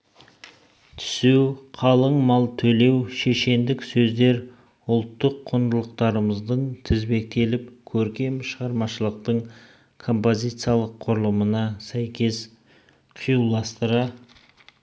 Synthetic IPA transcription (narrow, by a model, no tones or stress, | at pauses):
t̪ʰʏ̥suqʰɑlˠəɴmɑlˠt̪ʰɵle̞wʃe̞ʃe̞nd̪ɪksɵzd̪e̞ɾ | ʊlˠt̪ːəqʰːond̪əlˠəqt̪ɑɾəməzd̪əɴt̪ʰɪzbe̞k̚t̪e̞lɪp̚kʲʰɵɾkʲe̞mʃəʁɑɾmɑʃəlˠəq̚t̪əɴ | kʰo̞mpo̞zʲijt̪sɨjalˠəqʰːʊɾəlˠəmənɑsæjkʲe̞s | qʰijulˠɑst̪əɾɑ